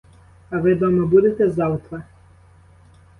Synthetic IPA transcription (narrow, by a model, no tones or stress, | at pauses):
ɐʋɪd̪ɔmɐbud̪et̪ɛzɑwt̪ʋɐ